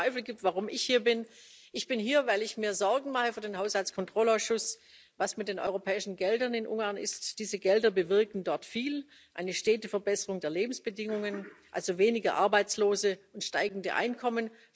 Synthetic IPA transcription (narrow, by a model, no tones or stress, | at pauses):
aɪfl̩ɡiːp̚tv̥aʁʊmɪçhiːɐbɪn | ʔɪçb̥ɪnhiːɐvaɪlɪçmiːɐzɔɐɡŋ̩maχəfyːɐdeːnɦaʊshalt͡skʰɔntʁ̥ɔlaʊsʃʊs | vasmɪt̚d̥eːnɔ̰ʏʁopʰɛːɪʃn̩ɡɛldɐnɪnʔṵŋɡaɐnɪ̰std̥iːzəɡɛldɐbəvɪɐkn̩dɔɐtfiːl | ʔa̰ɪnəʃteːtəfɛɐbɛsəʁʊŋdeːɐleːbm̩sb̥ədɪŋʊŋənʔa̰lzoveːnɪɡɐ̰ʔa̰ɐbaɪt͡sloːzəʊntʃtaɪɡŋ̩dəʔa̰ɪnkʰɔmən